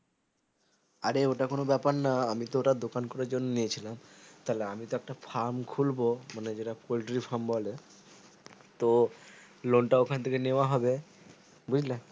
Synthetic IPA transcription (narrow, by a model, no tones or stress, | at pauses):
aɾeoʈakonobɛpaɾnaamit̪ooʈad̪okankɔɾaɾd͡ʑonːoniet͡ɕʰilamt̪aleamit̪oɛk̚ʈapʰaɾmkʰulbomaned͡ʑeʈapolʈɾifʰaɾmbɔle | t̪o | loɳʈaokʰant̪ʰekeneoaɦɔbe | bud͡ʑʱla